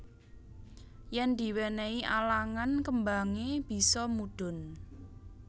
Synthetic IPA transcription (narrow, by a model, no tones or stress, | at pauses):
jɛnd̪i̤weneiʔalaŋankəmbaŋeb̥i̤sɔmuɖ̥ʊ̤n